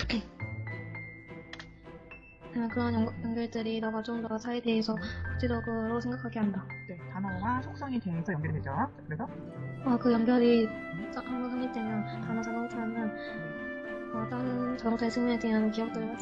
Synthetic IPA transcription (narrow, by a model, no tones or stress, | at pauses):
kʰe | akɯɾʌnjʌŋjʌŋɡjʌɭdɯɾinʌɡat͡ɕomnʌsʰaide̞ɦesʰʌkat͡ɕ͈ʰidʌɡoɾosʰe̞ŋɡak͈ʰaɡiɦandane̞tanʌwasʰok̚s͈ʌŋitwe̞ɦesʰʌjʌŋɡjʌɭded͡ʑanakɯɾesʰʌ | ʌkɯjʌŋɡjʌɾi | s͈ʌhambʌnsʰɯŋɲiɭt͈emjʌnkanʌsʰaɡʌmit͡ɕʰaamjʌn | ʌt͈ʌnt͡ɕʌɡʌŋt͈aɭsʰɯŋɲunedeɦankiʌk̚t͈ɯɾɯkʰat͡ɕ